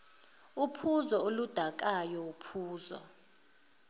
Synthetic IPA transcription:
upʰuzɔolud̥ʱak̬ʼajɔupʰuːzɔ̰

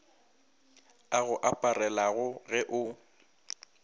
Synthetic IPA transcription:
aɣʊʔapʼarɛlaɣʊɣɛʔʊ

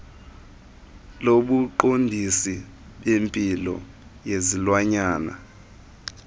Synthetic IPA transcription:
loɓuǃondʱisi | ɓempʼilɔ̰ | jezilwaɲaːna̰

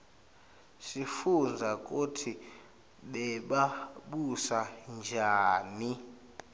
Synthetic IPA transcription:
sifund͡zʱak̬ʼutʰi | ɓɛɓaɓusand͡ʒʱaːni

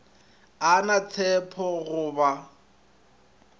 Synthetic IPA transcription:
anat͡sʰɛpʰɔɣʊːba

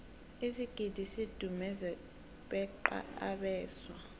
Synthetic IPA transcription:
isiɡ̥ʱid̥ʱisid̥ʱumɛzɛ | ɓɛǃa̰a̰ɓɛːswa

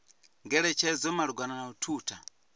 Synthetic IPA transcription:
ŋɡɛɾɛt͡ʃʰɛzɔmaluɡwananautʰuːtʰa

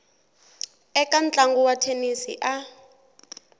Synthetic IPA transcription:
ɛkan̩t͡ɬʼaŋɡuwatʰenisḭʔa

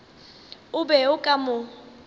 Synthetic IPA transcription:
ʊbɛʊkʼamʊ

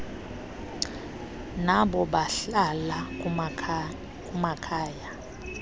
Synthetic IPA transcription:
naɓɔɓaɬala | k̬ʼumakʰaːja

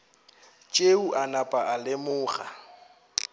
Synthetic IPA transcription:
t͡ʃʼeuʔanapʼaʔalɪmʊːχa̰

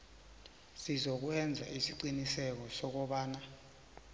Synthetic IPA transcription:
sizok̬uɛnd͡zʱa̰ʔisiǀinisɛk̬ɔsɔk̬ɔɓaːna

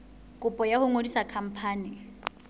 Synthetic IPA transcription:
kʼʊpʼɔjahʊŋodisakʰam̩pʰaːnɪ

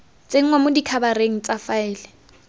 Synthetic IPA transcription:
t͡sʼeŋ̩wamʊdikʰabaɾeŋ̩t͡sʼafaɪːlɛ

